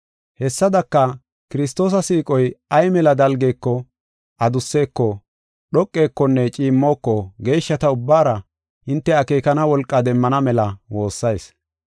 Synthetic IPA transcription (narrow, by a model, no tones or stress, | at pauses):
hɛsːɐd̪ɐkːɐ | kɪɾɪst̪o̞ːs̬ɐsiːkʼɔjɐjmɛlɐd̪ɐlɡekːɔ | ʔɐd̪ʊsːe̞ːkːɔ | ɗɔkʼːe̞ːkːɔnːɛt͡ʃʼiːmːo̞ːkːɔɡe̞ːʃːɐt̪ɐʊbːaːɾɐ | ʔɪnt̪ːɛɐke̞ːkɐnɐwɔlkʼːɐd̪ɛmːɐnɐmɛlɐwo̞ːsːɐjs